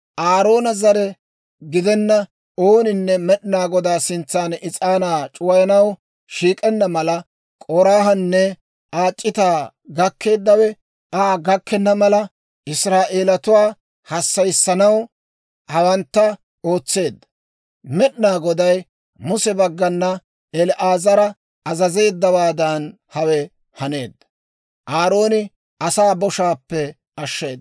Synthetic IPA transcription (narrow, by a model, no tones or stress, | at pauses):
ʔaːɾo̞ːnɐzɐɾɛ | ɡɪd̪ɛnːɐ | oːnɪnːɛmɛɗɪnaːɡɔd̪aːsɪnt͡sːaːnɪt͡sʼaːnaːt͡ʃʼʊwɐjɐnɐw | ʃiːkʼɛnːɐmɐlɐ | kʼɔɾaːɦɐnːɛ | aːt͡ʃʼːɪt̪aː | ɡɐkʰːe̞ːd̪ːɐwɛ | aːɡɐkːɛnːɐmɐlɐ | ɪsɾaːʔe̞ːlɐt̪ʊwaː | hɐsːɐjsːɐnɐw | hɐwɐnt̪ːɐ | oːt͡sːe̞ːd̪ːɐ̥ | mɛɗnaːɡɔd̪ɐj | mʊsɛbɐɡːɐnːɐ | ɛlʔaːzɐɾɐ | ɐzɐze̞ːd̪ːɐwaːd̪ɐn | hɐwɛ | hɐne̞ːd̪ːɐ̥ | ʔaːɾo̞ːnɪ | ʔɐsaːbɔʃaːpːɛ | ɐʃːe̞ːd̪ː